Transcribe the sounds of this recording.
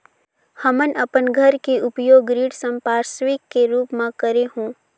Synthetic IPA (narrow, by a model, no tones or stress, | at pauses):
hɐmənɐpənɡʱɐɾkeʔʊpjoːɡɾiːɽsə̃mpaːɾsʋiːkːeɾuːpmãkəɾeɦũː